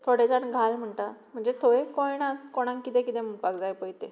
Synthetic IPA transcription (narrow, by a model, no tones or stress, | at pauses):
t̪ʰoɽed͡zaɳɡʱalm̤əɳʈam̤əɳd͡zet̪ʰoekojnat̪koɽ̃ãŋkkːit̪ẽkit̪ẽm̤upakd͡zajpəjt̪e